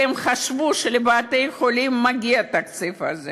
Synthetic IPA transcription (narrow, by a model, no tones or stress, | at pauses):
emχaʃvuʃelebaːt̪ejexolimːaɡiat̪akt͡sifa̰ze